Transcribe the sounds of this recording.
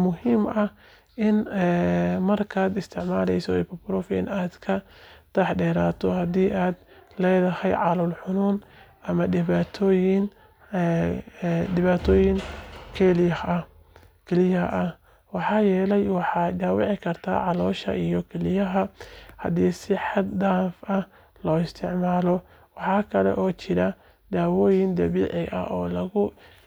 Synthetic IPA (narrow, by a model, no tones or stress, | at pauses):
mʊɦiːmɐ | ʔɪn | mɐrkʰaːd̪ɪst̪ʰɪʕmaːlɛ̰jsɔɛpɔbɾɔfɪ̰naːd̪kʰɐt̪ʰɐħɖɛːɾaːt̪ʰɔhɐd̪iːʔaːd̪lɛːðɐhɛjʕɑlɔlħʊnuːn | ɐmɐdɪβaːt̪ʰɔːjɪn | d̪ɪβaːt̪ʰɔːjɪŋkʰɛlɪjɐhɐ | kʰɛlɪjɐhɐ̰ʔɐ | wɑħɑːjɛːlɛjwɑħɑd̪aːwɪʕɪkʰɐrt̪ʰa̰ːʕɑlɔːʃɐ̰ʔijɔkʰɛlɪjɐɦɐhɐ̰diːsɪħɑd̪d̪aːfɐ | lɔːɪst̪ʰɪʕmaːlɔ | wɑħɑːkʰɐlɛ̰ʔɔːt͡ʃɪɾɐ | d̪aːwɔːjɪnd̪ɐβiːʕɪʔɐ̰ʔɔːlɐɣʊ